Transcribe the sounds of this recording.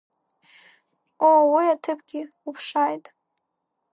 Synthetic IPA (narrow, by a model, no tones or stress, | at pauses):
owiatʰɨpʰʼɡʲɪ | upʰʂajtʼ